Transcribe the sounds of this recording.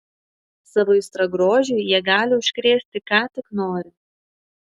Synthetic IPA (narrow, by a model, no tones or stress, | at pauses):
sɑʋoːɪst̪ɾɐɡɾoːʒʲʊjiɛɡɑːlʲɪʊʃʲkʲɾʲeːsʲt̪ʲɪkɑːt̪ʲɪknoːɾʲɪ